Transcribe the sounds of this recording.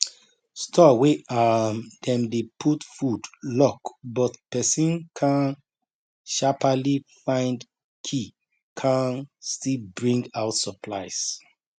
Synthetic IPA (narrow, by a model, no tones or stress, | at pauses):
stʰɔweamdɛ̃mdepʰutfudlɔkbɔtpɛsĩnkʰãn | ʃapalifãɪ̃nd | kʰi | kʰãnstilbɹĩŋɡaʊtsəpʰlaɪs